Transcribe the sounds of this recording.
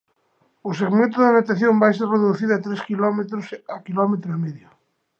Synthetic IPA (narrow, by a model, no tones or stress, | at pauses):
ʊseɣmẽnt̪̬ʊðenat̪aθjombajserreðuθiðʊat̪ɾeskilɔmet̪ɾosakilɔmet̪ɾoemeðjʊ